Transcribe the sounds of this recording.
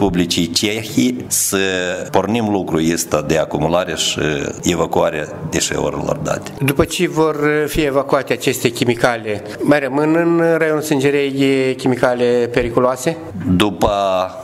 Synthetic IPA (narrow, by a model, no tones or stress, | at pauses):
publit͡ʃijt͡ʃexisəpornimlukɾujist̪ad̪e̞akumulaɾeʃɨ̰evakuaɾead̪eʃḛo̰ɾḛlo̰rd̪a̰t̪e̥d̪upət͡ʃe̞vo̞rfie̞vakuat̪eat͡ʃe̞st̪e̞kʲimikalʲe | majrəmɨnɨnrajonsɨnd͡ʒeɾejkʲimikalʲepe̞ɾikuloase̞ | d̪upə